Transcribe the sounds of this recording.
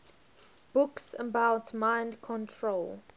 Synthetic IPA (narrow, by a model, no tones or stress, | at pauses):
b̥ʊksəbaʊtmãɪ̃ndkʰɔ̃ntʰɹol